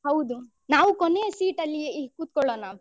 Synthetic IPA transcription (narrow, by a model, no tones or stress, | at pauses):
ɦɐwd̪u | naːʋukoneːsiːʈɐlːikuːt̪̚kɔɭːoːna